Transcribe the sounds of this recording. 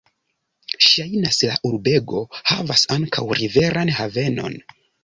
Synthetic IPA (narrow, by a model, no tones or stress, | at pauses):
ʃajnasla̰ʔuɾbe̞ɡo̞ha̰vasaŋkʰawɾive̞ɾʔanhave̞no̞̰n